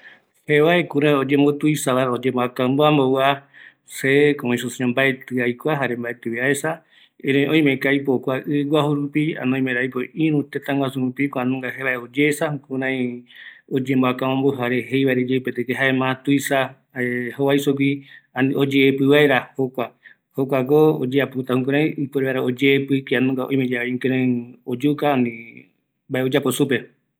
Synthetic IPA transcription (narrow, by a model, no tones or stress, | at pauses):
heβaekũɾãj̃od͡ʒẽmbot̪uisaβaɾaod͡ʒemboakãmboambowa | sekoõĩsusiõmbaet̪ɨajkʷaɦaɾembaet̪ɨβiaesa | eɾõõj̃mẽkaipokʷaɨɡʷwaɦuɾupia̰nõĩmẽɾajpoĩɾũt̪et̪ãŋɡʷwasũɾũpikʷãnũŋɡaheβaeod͡ʒesahũkũɾãĩod͡ʒemboakãõmboɦaɾeɦejβaeɾed͡ʒeupet̪ekeɦaemãt̪uisa | ehowaisok̬ianĩod͡ʒeːpɨβaeɾahokʷa | hokʷak̬ood͡ʒeaput̪ahũkũɾ̃ãĩipeɾeβaɾaod͡ʒeːpɨkianũŋɡaõ̰j̃mẽd͡ʒaaiŋkeɾẽiod͡ʒukaanĩ | mbaeod͡ʒaposupe